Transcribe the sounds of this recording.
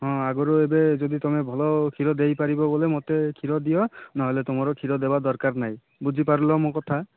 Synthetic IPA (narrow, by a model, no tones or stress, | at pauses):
ɦɔ̃aɡɔɾoebezod̪it̪ɔmɛbʱɔlɔkʰiɾɔd̪ejpaɹibɔbɔlɛmot̪ekʰiɾɔd̪ijɔnaɦɔjlet̪ʊmɔɾɔkʰiɾɔd̪ebad̪ɔɹkaɹnaj | bud͡ʒʱipaɾulɔmokɔt̪ʰa